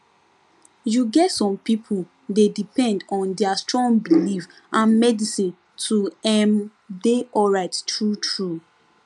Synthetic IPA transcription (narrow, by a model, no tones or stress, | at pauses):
juɡɛtːɔ̃mpipʰul | dedipɛ̃ndɔ̃ndɛastɹɔ̃ŋbilif | ʔãnmɛdisĩn | tʰuɛm | deɔɹaɪttɹutʰɹu